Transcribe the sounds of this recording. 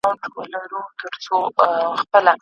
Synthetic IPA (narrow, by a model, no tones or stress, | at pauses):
awɳʈwə̰laɾut̪ʰəɾt͡soxpəla